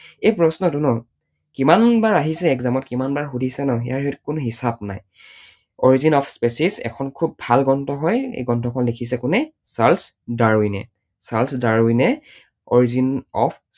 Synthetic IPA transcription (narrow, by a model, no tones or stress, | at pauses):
ejpɹɔsnɔtunɔ | kimanbaɹaɦisɛːkzamɔtkimanbaɹxudʱisɛnɔḭjaɹitkʊnʊɦisab̚na̰j | ɔɹizinɔpʰspesizɛ̰kʰɔnkʰubːʱalɡɔntɔɦɔjḛjɡɔntɔkʰɔnlekʰis̬ɛkʊnɛ | sals | daɹinɛ̰ | salsdaɹinɛ | ɔ̰ɹizinɔ̰pʰ